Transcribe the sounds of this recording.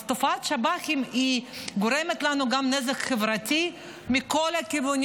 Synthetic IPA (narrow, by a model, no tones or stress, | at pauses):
st̪ofat̪ʃabaximiɡʊɾɛmɛt̪lanoɡamnɛzɐkxevɾɐt̪ʲi | mikolʲakivʊnʲ